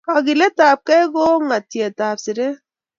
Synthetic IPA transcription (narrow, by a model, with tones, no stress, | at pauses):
a˨ɡi˨le˦taː˨p̚kɛ˦ɡoː˦ŋa˨tje˨taː˨psi˨ɾe˦